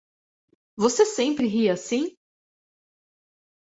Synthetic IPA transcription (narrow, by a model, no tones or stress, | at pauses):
vosesẽpɾɪɦiɐasĩ